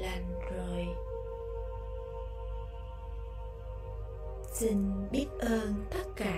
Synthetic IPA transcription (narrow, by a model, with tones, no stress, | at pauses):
la˨˩ŋ̟zo˨˩j | si˧ŋ̟ɓi˦˥ət̚ʔəː˧nt̪ə˦˥t̚kaː˧˩